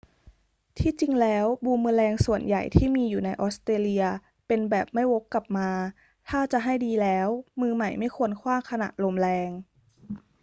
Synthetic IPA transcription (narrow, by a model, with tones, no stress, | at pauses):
t̪ʰiː˥˩t͡ɕi˧ŋlɛː˦˥wbuː˧mɯː˧lɛː˧ŋsu˨˩ənja̰˨˩jt̪ʰiː˥˩miː˧juː˨˩na˧jʔɔː˦˥st̪ɾeː˧li˧ɐ | pe˧nbɛː˨˩p̚ma˥˩jwo˦˥kːa˨˩p̚maː˧ | t̪ʰaː˥˩t͡ɕa˨˩ʔɦa˥˩jdiː˧lɛː˦˥wmɯː˧ma˨˩jma˥˩jkʰu˧ənkʰwaː˥˩mkʰa˧na̰˨˩ʔlo˧mlɛː˧ŋ